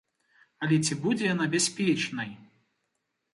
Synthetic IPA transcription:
ɐlʲɛt͡sʲibud͡zʲɛjanabʲasʲpʲɛt͡ʂnɐj

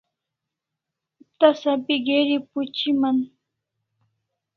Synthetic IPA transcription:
t̪asapɪɢeɾɪpʊt͡ʃɪmaŋ

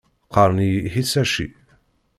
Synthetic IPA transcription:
qɑɾˤniɦisæʃḭ

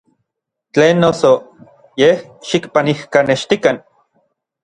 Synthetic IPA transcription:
t͡ɬeːnːoso | jehʃikpanihkaneʃt̪ikan

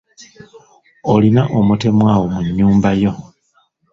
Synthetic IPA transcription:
olinaʔo̞mute̞mwaːwo̞muɲːuːmbajo̞

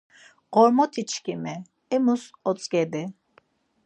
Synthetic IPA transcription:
ɣɔɾmɔt̪ʰit͡ʃʰkʼimɛ | ɛmusɔt͡sʼɡɛd̪i

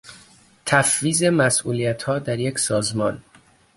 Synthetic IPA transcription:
t̪ʰæfviːzemæsʔuːlijæt̪hɒːd̪æɾjecsɒːzmɒːn

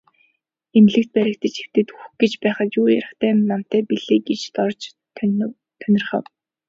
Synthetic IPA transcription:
emɮɘ̆kt̪̚pæɾʲɪ̆k̚t̪ə̆t͡ɕew̥t̪ɘ̆t̪uxɡet͡ɕpæːχə̆t̪juːja̰ɾə̆χt̪ʰæːnam̥t̪æːpiɮeːɡet͡ɕt̪ɔrt͡ɕ | t̪ʰœnʲɪ̆rχə̰̆w

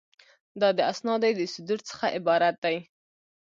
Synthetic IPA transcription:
d̪ɑd̪əasnɑd̪ajd̪əsɪd̪uɾt͡sə̥xaʔɪbɑɾat̪̚d̪aj

